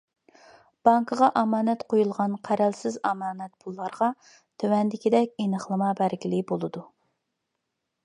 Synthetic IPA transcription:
b̥ɑŋkʰəʁɑʔɑmɑːnɛt̪qʰojulˠʁɑnqʰæɾɛlsɪzɑmɑːnɛt̪̚pʰulˠːɑɾʁɑ | t̪ʰøwɛnd̪ɪkʲid̪ɛkʲinəχlˠɨmɑbæɾɡʲilɪbolˠɨd̪u

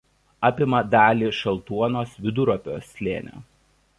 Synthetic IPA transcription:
ɑːpʲɪmɐd̪ɑːlʲiːʃɐlˠt̪uɔnoːsʋʲɪd̪ʊɾɔpʲo̰ːsʲlʲḛːnʲo̰ː

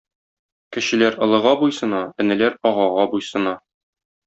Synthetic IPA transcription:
kɘ̆ɕɘ̆læɾɤ̆lˠɤ̆ʁɑbujsɤ̆nɑɘ̆nɘ̆læɾɒʁɑʁɑbujsɤ̆nɑ

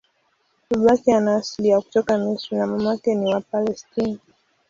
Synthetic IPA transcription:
uɓakianaːsliaku̥tɔkamisunamamakɛniwapalɛstina

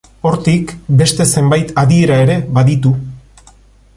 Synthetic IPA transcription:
o̞ɾt̪ikbe̞st̪e̞se̞mbajt̪aðie̞ɾae̞ɾe̞βaðit̪u

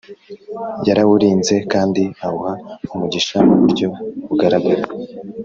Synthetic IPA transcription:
jaɾawuɾiːnze̞kaːndiahuhaumuɟiʃamuβuɾɟo̞uɡaɾaɡuɾa

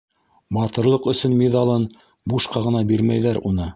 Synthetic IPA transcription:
bɑt̪ɤ̆ɾlˠɤqɵ̆sɵnmʲeðɑlˠɤn | buʃqɑʁɤ̆nɑbiɾmæjðæɾunɤ

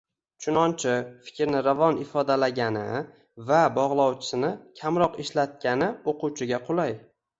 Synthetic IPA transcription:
t͡ʃʰʊnɒnt͡ʃʰɪfɪ̥kʲɾnɪɾavɒnɪfɒd̪alaɡʲanɪ̰ | vabɒʁlˠɒwt͡ʃʰɪ̥sɪnɪkʲʰamɾɒqɪʃlat̪̚kʲanɪoquwt͡ʃʰɪɡʲaqʰʊlˠaj

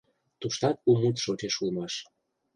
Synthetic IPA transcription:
t̪uʃt̪ɑt̪̚umut̪ʃot͡ɕeʃulmɑʃ

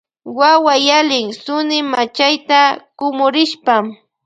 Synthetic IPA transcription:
wawajalɪŋsʊnɪmat͡ʃajt̪akʊmʊɾɪʃpam

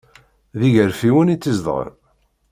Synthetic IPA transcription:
ðiʝəɾfiwənit͡sːizd̪ˤʁə̰ɾ

